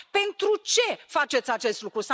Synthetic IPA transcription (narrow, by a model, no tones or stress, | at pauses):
pe̞nt̪ɾut͡ʃe̞fat͡ʃet̪sʲat͡ʃe̞st̪lukɾusa